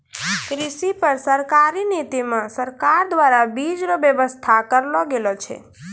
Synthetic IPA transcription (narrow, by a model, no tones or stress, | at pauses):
kɾiʃipəɾsəɾkaɾinit̪imãsəɾkaɾd̪ʋaɾabid͡ʒɾobjəʋəst̪ʰakəɾloɡelot͡ʃʰḛ